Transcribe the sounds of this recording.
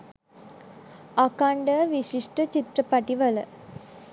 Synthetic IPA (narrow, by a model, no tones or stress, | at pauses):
akaɳɖəʋiʃiʂʈət͡ʃit̪ɾəpaʈiʋələ